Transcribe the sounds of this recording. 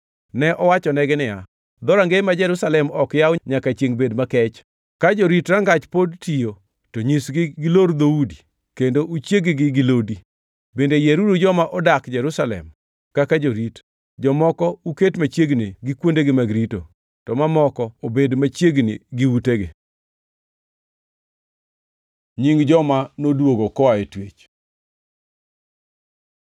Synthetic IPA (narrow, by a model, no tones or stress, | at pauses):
nɛʔɔwat͡ʃɔnɛɡɪnɪja | d̪ɔɾaŋɡemad͡ʒɛɾusalɛmɔkjaɔɲakat͡ʃjeŋbedmakɛt͡ʃ | kad͡ʒoɾitɾaŋɡat͡ʃpodtijo | toɲisɡɪɡɪloɾd̪oudi | kendoʔut͡ʃjeɡɪɡɪɡɪlodi | bendejeɾudud͡ʒɔmaʔɔdakd͡ʒɛɾusalɛ̰m | kakad͡ʒoɾit | d͡ʒɔmɔkɔuketmat͡ʃjeɡnɪɡɪkwondeɡɪmaɡɾito | tɔmamɔkɔobedmat͡ʃjeɡnḭɡɪwuteɡɪ̰ | ɲiŋd͡ʒɔmanodwoɡokɔaetwet͡ʃ